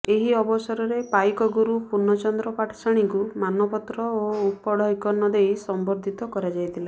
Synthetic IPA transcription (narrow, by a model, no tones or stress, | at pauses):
eɦiɔbɔsɔɾɔɾepajkɔɡuɾupunɔt͡ʃɔnd̪ɾɔpaʈʰɔ̥saɽ̃iŋkumanɔpɔt̪ɾɔoupɔɽʱɔɦikɔnːɔd̪ejsɔmbɔɾd̪ʱit̪ɔkɔɾad͡ʒajt̪ʰila